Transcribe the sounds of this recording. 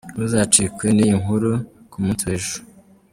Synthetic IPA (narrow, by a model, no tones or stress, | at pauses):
wuzat͡ʃikwenijiŋɦuɾukumuːntueʒu̥